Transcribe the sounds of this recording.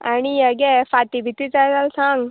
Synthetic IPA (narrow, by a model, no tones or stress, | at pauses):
añiəɡefat̪ibʱit̪it͡sajt̪alsãŋɡ